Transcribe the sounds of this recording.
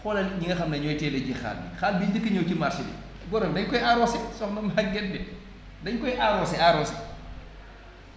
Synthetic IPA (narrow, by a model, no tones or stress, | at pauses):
xɔlɐlɲiŋɡɐxɐmnɐɲɔjtɛːlɐɟixa̰ːlːḭxaːlbidikːɐɲowcimarsidḭ | bɔɾɔmdɐɲkɔjaɾɔːsisɔxnɐmak̚ɡɛndɛ | dɐɲkɔjʔaɾɔːsɛaɾɔːsi